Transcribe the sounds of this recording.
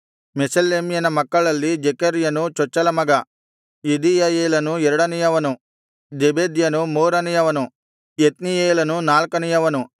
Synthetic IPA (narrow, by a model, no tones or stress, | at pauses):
mesɐlːeːmijɐnɐmɐkːɐɭɐlːid͡ʒekɐɾijɐnut͡ʃɔt͡ʃːɐlɐmɐɡɐ | jid̪ijɐjeːlɐnuɛɾɐɽɐnijɐʋɐnu | d͡ʒebeːd̪jɐnumoːɾɐnijɐʋɐnu | jet̪nijeːlɐnunaːlkɐnijɐʋɐnu